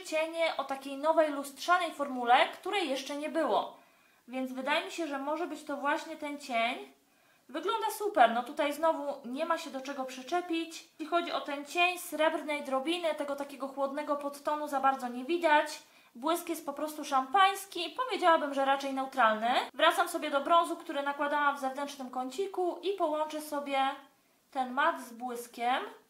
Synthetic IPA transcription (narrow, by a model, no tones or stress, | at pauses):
t͡ɕɛɲɛʔɔt̪akʲejnɔvɛjlust̪ʂanɛjfɔɾmulɛkt̪uɾɛjːɛʂt͡ʂɛɲɛbɘwɔ | vʲjɛnd̪zvɘd̪ajɛmʲiɕɛʐɛmɔʐɛbɘt͡ɕt̪ɔvwaɕɲɛt̪ɛnt͡ɕeɲ | vɘɡlɔnd̪asupɛɾnɔt̪ut̪ajznɔvuɲɛmaɕɛd̪ɔt͡ʂɛɡɔpʂɘt͡ʂɛpʲit͡ɕlʲixɔd͡ʑiɔt̪ɛnt͡ɕeɲsɾɛbɾnɛjd̪ɾɔbʲinɘt̪ɛɡɔt̪akʲɛɡɔxwɔd̪nɛɡɔpɔt̪ːɔnuzabaɾd̪zɔɲɛvʲid̪at͡ɕ | bwɘskjɛst̪̚pɔpɾɔst̪uʂampaj̃skʲipɔvʲjed͡ʑawabɘmʐɛɾat͡ʂɛjnɛwt̪ɾalnɘvɾat̪samsɔbʲjɛd̪ɔbɾɔ̃ñzukt̪uɾɘnakwad̪awamvzɛvnɛnt͡ʂnɘmkɔɲt͡ɕikuʔipɔwɔnt͡ʂɛsɔbʲjɛ | t̪ɛnmad̪zbwɘskʲɛm